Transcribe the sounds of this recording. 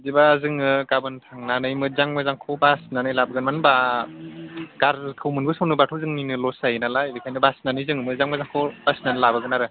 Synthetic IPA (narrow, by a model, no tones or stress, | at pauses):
dibazɯŋɯɡabɯntʰaŋnanɯjmɯzaŋmɯzaŋkʰɔbasnanɯjlabɯɡɯnmanba | ɡ̥aɾkʰɯwmɯnbɯsɔwnɯbatʰɯwzɯŋninɯlɔsajnalajbɯkʰajnɯbasnanɯjzɯŋmɯzaŋmazaŋkʰɔb̥asnanɯlabaɡɯnaɾɯ